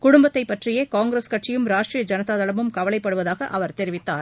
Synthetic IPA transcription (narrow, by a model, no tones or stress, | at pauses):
kʊɽʊmbɐt̪ːɐɪpːɐʈrɪjeːkaːŋɡɪɾeːskɐʈrɪjɯmɾaːʈʈrijɐd͡ʒɐnɐðaːðɐlɐmɯmkɐʋɐɭɐɪpːɐɽɯʋɐðaːɣɐʔɐʋɐɾt̪ɛɾɪʋɪt̪ːa̰ːɾ